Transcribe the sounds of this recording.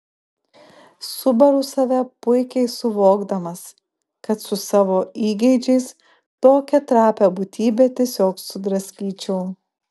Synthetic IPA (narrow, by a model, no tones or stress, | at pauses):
sʊbɐɾʊsɐʋʲɛpʊɪkʲɛɪsʊʋoːɡd̪ɐmɐs | kɐt̪sʊsɑːʋoːiːɡʲɛɪd͡ʒʲɛɪs | t̪oːkʲɛt̪ɾɑːpʲæbut̪ʲiːbʲeːt̪ʲiɛsʲoːksʊd̪ɾɐsʲkʲiːt͡ʃʲɛʊ